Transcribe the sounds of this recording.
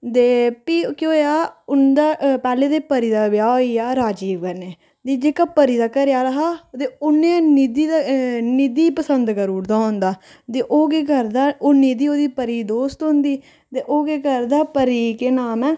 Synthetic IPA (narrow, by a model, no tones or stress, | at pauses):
t̪eːpiːkjõːaːʊnd̪aːpɛːleːd̪eːpəɾiːd̪aːbɪjaːiːaːɾaːd͡ʒiːɡəneː | d̪iːd͡ʒeːkaːpəɾiːd̪aːkəɾjaːɾəɦaːt̪eːʊneːnid̪iːanid̪iːpəsənd̪kəɾuːɽd̪aːɦʊ̃nd̪aː | t̪eːʔoːɡeːkəɾd̪aːoːniːd̪iːoːd̪iːpəɾiːd̪oːst̪ɦʊ̃nd̪iː | t̪eːʔoːɡeːkəɾd̪aːpəɾiːkeːnaːmɛː